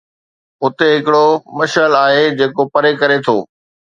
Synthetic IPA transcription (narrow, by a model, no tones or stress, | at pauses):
ʊt̪eɦɪkɪɽomɐʃəlaːɦed͡ʑeːkopɐɾekɐɾet̪ʰoː